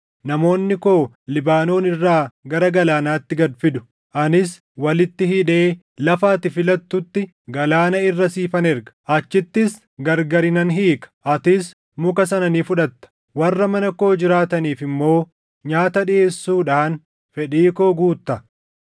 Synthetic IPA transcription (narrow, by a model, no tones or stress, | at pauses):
nɐmo̞ːnːɪko̞ː | lɪbaːno̞ːnɪrːaːɡɐɾɐɡɐlaːnaːt̪ːɪɡɐd̪fɪd̪ʊ̥ | ʔɐnɪs | wɐlɪt̪ːɪhiᶑe̞ː | lɐfaːt̪ɪfɪlɐt̪ːʊt̪ːɪ | ɡɐlaːnɐɪrːɐsiːfɐnɛɾɡɐ̥ʔɐt͡ʃːɪt̪ːɪs | ɡɐɾɡɐɾɪnɐnɦiːkɐ̥ʔɐt̪ɪs | mʊkɐsɐnɐniːfʊᶑɐt̪ːɐ̥ | wɐrːɐmɐnɐko̞ːd͡ʒɪɾaːt̪ɐniːfɪmːo̞ː | ɲaːt̪ɐᶑɪe̞ːsːuːᶑaːn | fɛᶑiːko̞ːɡuːt̪ːɐ